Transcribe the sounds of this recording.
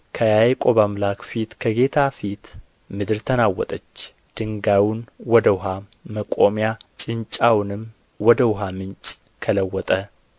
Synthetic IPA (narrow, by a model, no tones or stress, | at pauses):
kʰəjajkʼo̞βamlakfit̪kʰəɡe̞t̪ʰafit̪ | mɨd̪ɨɾt̪ʰənawːɔ̰t̪ʼət͡ʃː | d̪̥ɨŋɡawunwɔd̪əwʊɦaməkʼomjat͡ʃʼɪnt͡ʃʼawnɨm | wɔd̪əwʊɦamɨnt͡ʃʼ | kʰələwːɔt̪ʼə